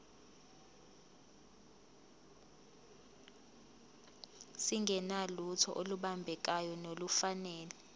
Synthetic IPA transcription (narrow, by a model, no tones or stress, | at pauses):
siŋɡʱɛnalutʰɔ̰ʔoluɓambʱɛk̬ajɔnolufanɛːlɛ